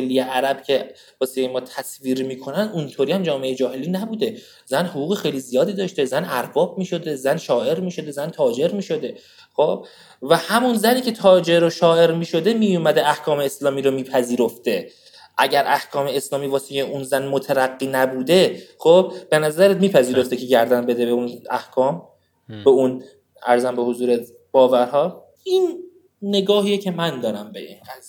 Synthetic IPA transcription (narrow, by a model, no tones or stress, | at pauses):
elːijeʔæɾæb̥̚cʰe̞ | vɒːsejemɒːt̪ʰæsviːɾmiːkʰo̞nænd̪unt̪ʰoːɾiːhæmd͡ʒɒːmeejd͡ʒɒːɦe̞liːnæbuːd̪e̞ | zænhoɣuːɣexejlizijɒːd̪iːd̪ɒːʃt̪e̞zænæɾbɒːb̚miːʃo̞d̪e̞zænʃɒːʔe̞ɾmiːʃo̞d̪e̞zænt̪ʰɒːd͡ʒe̞ɾmiːʃo̞d̪e̞ | xob̥̚ | væhæmunzæniːcʰe̞t̪ʰɒːd͡ʒe̞ɾoʃɒːe̞ɾmiːʃo̞d̪e̞miːjumæd̪eæhkʰɒːmeːslɒːmiːɾomiːpʰæziːɾoft̪e̞ | ʔæɟæɾʔæhkʰɒːme̞ːslɒːmiːvɒːsicʰeʔunzænmot̪ʰæɾæɡːiːnæbuːd̪e̞xob̚ːe̞næzæɾet̪miːpʰæziːɾo̞ft̪ecʰe̞ɟæɾd̪ænbe̞d̪ebeunæ̰hkʰɒːm | beun | æ̰ɾzæmbe̞hozuːɾe | b̥ɒːvæɾɦɒː | inː | e̞ɡɒːhijecʰe̞mænd̪ɒːɾæmbeʔḭnæz